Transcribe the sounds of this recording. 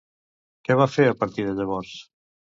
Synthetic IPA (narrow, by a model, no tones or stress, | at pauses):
kɛβ̞afeɾəpəɾt̪iðəʎəβ̞ɔɾs